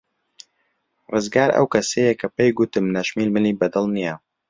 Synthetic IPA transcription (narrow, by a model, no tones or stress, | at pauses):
rɨzɡaːɾɐ̰wkɐsejekʰɐpejɡut̪ɨmnɐʃmiːlmɨniːbɐd̪ɨlˠnija